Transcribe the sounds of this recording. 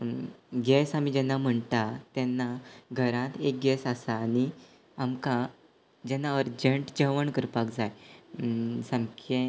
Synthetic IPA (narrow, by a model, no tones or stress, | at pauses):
ɡɛsamid͡ʑɛnːam̤əɳt̪at̪ɛnːaɡʱəɾãt̪ek̚ɡɛsasaːñi | amka | d͡ʑɛnːaəɾd͡ʑəɳʈd͡ʑəʋəɳkəɾpakd͡zaj | səmkʰẽ